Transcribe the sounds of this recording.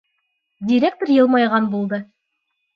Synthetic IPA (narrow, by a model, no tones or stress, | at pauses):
dʲiɾʲek̚t̪oɾjɤ̆lˠmɑjʁɑnbulˠd̪ɤ